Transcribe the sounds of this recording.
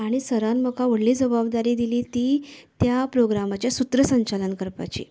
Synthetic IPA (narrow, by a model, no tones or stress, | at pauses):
aɽ̃isəɾanməkaʋəɽliːd͡zəbabd̪aɾiːd̪iliːt̪iːt̪japɾoɡɾamat͡ɕjasut̪ɾəsəɲt͡ɕalənkəɾpa̰t͡ɕḭː